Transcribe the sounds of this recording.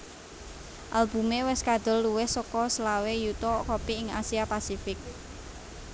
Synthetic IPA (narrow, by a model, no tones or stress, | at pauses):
ʔalb̥ṳmewɛskad̪̥ʊ̤lːuwɪhsɔkɔslawejut̪ɔkopiɪŋa̰siapasifɪk̚